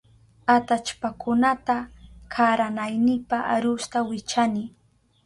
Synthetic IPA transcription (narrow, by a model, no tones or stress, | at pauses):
at̪at͡ʃpakʊnat̪akʰaɾanajnɪpaʔaɾʊst̪awɪt͡ʃanɪ